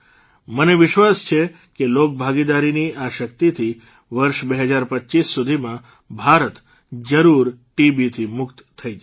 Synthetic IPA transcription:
məneʋɪʃʋast͡ʃʰe | kelok̚bʱaɡid̪aɾiniaʃəkt̪it̪ʰi | ʋəɾʃbeɦəd͡ʒaɾpətːt͡ʃisːud̪ʱimã | bʱaɾət̪ | d͡ʒəɾuɾʈibit̪ʰimʊkt̪t̪ʰəid͡ʒ

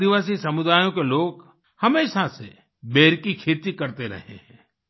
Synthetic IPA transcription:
ɪʋaːs̬isɐmʊd̪aːjõkeloːɡ | hɐmeːʃase | beːɾkikʰeːt̪ikɐɾt̪eɾɐ̰ɦḛɦɛ̰̃ː

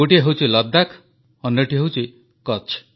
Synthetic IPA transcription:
oʈiɦewt͡ʃʰilʌd̪ːakʰ | ɔnjʌʈiɦewt͡ʃʰi | kɔt͡ʃʰ

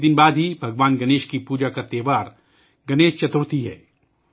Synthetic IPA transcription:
d̪ɪnbaːd̪ɦibʱɐɡʋaːnɡɐneːʃkipuːd͡ʒakat̪eːʋaːɾ | ɡɐneːʃt͡ʃɐt̪ʊɽt̪iɦɛ̰ː

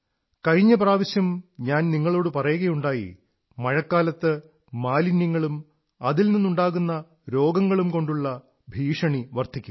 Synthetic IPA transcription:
kɐɻiɲːɐpraːʋɐɕjɐmɲaːnniŋːɐɭo̞ːɽɨpɐrɐjuɣɐjuɳɖaːjḭ | mɐɻɐkːaːlɐt̪ːɨː | aːlinjɐŋːɐɭum | ɐðilninːuɳɖaːɣunːɐ | ɾo̞ːɡɐŋːɐɭumko̞ɳɖuɭːɐ | bʱiːʂɐɳiʋɐrt̪ʰikʲːum

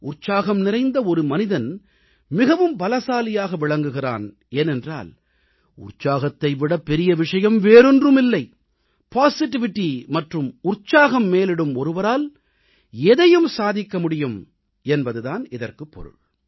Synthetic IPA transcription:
ʔʊrt͡ʃːaːɣɐmnɪɾɐɪnd̪ɐɔɾɯmɐnɪðɐn | mɪɣɐʋɯmbɐlɐsaːlɪjaːɣɐʋɪɭɐŋɡɯɣɪra̰ːn | eːnɛndra̰ːl | ʊ̰rt͡ʃaːɣɐt̪ːɐɪʋɪɽɐpːɛɾɪjɐʋɪʂɐjɐmʋeːɾɯndrɯmɪlːɐɪ | paːsɪʈːɪʋɪʈːimɐʈrɯmʊrt͡ʃaːɣɐmːeːlɪɽɯmɔɾɯʋɐɾaːl | ɛðɐjɯmsaːðɪkːɐmʊɽɪjɯm | ɛnbɐðɯðaːnɪðɐrkɯpːɔ̰ɾɯ̰ɭ

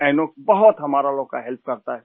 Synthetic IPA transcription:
ɛ̃ːnoːkbɐɦʊt̪ɦɐmaːɾaloːɡ̚kaɦɛlp̚kɐɾt̪aɦɛ

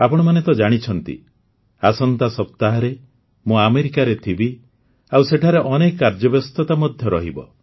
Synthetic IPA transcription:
apɔɽ̃ɔmanet̪ɔd͡ʒaɽ̃it͡ʃʰɔnt̪ḭ | asɔnt̪asɔp̚t̪aɦɔɾe | mũameɾikaɾet̪ʰibi | awseʈʰaɾeʔɔnekːaɾd͡ʒɔbɔst̪ɔt̪amɔd̪ʱjɔɾɔɦibɔ̰

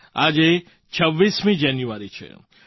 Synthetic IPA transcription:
aːd͡ʒe | t͡ʃʰəʋːismĩd͡ʒɛnjuaɾit͡ʃʰḛ

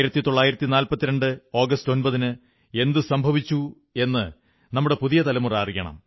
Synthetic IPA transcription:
iɾɐt̪ːit̪o̞ɭːaːjiɾɐt̪ːinaːlpɐt̪ːiɾɐɳɖɨo̞ːɡɐsto̞nbɐðinɨ | e̞nd̪ɨsɐmbʱɐʋit͡ɕːu | e̞nːɨ | nɐmːuɽe̞puðijɐt̪ɐlɐmuraːrijːɐɳɐ̰m

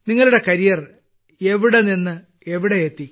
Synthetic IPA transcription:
niŋːɐɭuɽe̞kɐɾijɐr | e̞ʋiɽeninːɨ | e̞ʋiɽeet̪ːi

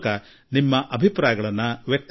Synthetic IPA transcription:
kɐ | nimːɐʔɐbʱipɾaːjɐɡɐɭɐnːɐʋjek̚t̪

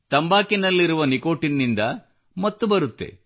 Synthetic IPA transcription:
t̪ɐmbaːkinɐlːiɾuʋɐniko̞ːʈinːind̪ɐ | mɐt̪ːubɐɾut̪ːe̞̰

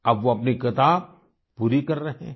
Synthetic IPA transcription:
ɐbʋoɐpnikɪt̪aːb̚ | puːɾikɐɾːɐɦḛ̃ː

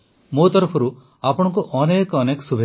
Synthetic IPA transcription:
mot̪ɔɾɔpʰɔɾu | apɔɽ̃ɔŋkuʔɔnekɔnekɔsubʱe

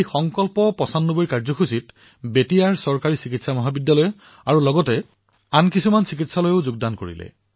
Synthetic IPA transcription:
ejxɔŋkɔlpɔpɔsanːoboɹjkaɹzɔkʰusit | betijaɹsɔɹkaɹisikitsamɔɦabidːalɔj | aɹulɔɡɔtɛ | ankisumansik̬itsalojoʊzuɡ̚danko̰ɹḭlɛ̰

